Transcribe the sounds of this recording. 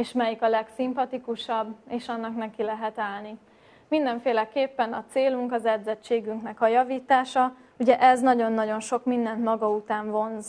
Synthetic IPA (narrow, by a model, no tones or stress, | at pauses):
eːʃmɛjikɒlɛksimpɒt̪ikuʃɒbːeːʃɒnːɒknɛkilɛɦɛt̪aːlni | mind̪ɛɱfeːlɛkeːpːɛnɒt̪seːluŋkɒzɛd̪zɛt͡ʃːeːɡyŋknɛkɒjɒviːt̪aːʃɒ | uɟɛʔɛznɒɟo̞nːɒɟo̞nʃo̞kmind̪ɛnt̪mɒɡɒut̪aːɱvo̞nz